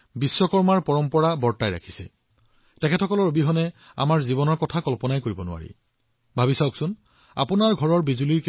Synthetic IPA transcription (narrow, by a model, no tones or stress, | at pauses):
bisːɔkɔɹmaɹpɔɹɔmpɔɹabɔɹtajɹa̰kʰi̥sɛ̰ | tɛkʰɛtʰɔkɔlɔɹobiɦɔnɛ | a̰maɹzibɔnɔɹkɔtʰakɔlpɔnajkoɹibɔnʊ̰a̰ɹḭ | bʱabisawksʊn | a̰punaɹɡʱɔɹɔɹbizuliɹk